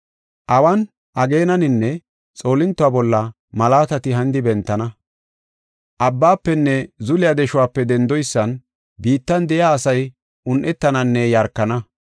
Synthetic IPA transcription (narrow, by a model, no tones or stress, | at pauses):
ʔɐwɐn | ʔɐɡe̞ːnɐnɪnːɛ | t͡sʼo̞ːlɪnt̪ːʊaːbɔlːɐ | mɐlaːt̪ɐt̪ɪɦɐnd̪ɪbɛnt̪ːɐnɐ | ʔɐbːaːpːɛnːɛzʊlɪjad̪ɛʃʊwaːpːɛd̪ɛnd̪ɔjsːɐn | biːt̪ːɐnd̪ɛjaːsɐj | ʊnʔɛt̪ːɐnɐnːɛjɐɾkːɐnɐ